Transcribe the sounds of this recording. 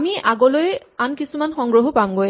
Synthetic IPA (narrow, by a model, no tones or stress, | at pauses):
miʔaɡɔlojɛ | ankisumanxɔŋɡɹoɦɔpamɡoj